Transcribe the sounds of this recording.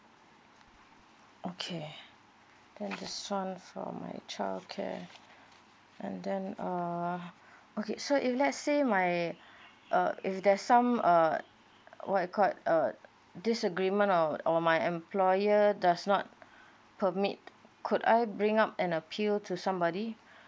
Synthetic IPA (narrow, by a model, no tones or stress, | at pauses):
ʔokʰe | d̥ɛ̃ndɛsãnfɔ̰ma̰ɪt͡ʃʰaɪld̚kʰɛ̰ | ɛ̰̃ndɛ̃nʌ | okesoʔiflɛtsːemaj | ʔʌ̰ifdɛsãmʌ | wʔɔt̚akʰɔt̚ʌ | disəɡɹimə̃nɔɔmajɛ̃mpʰlɔjədasnɔt̚ | pʰəmit̚kʰuda̰jbɹĩŋapɛ̃nəpʰiltʰusãmbɔdi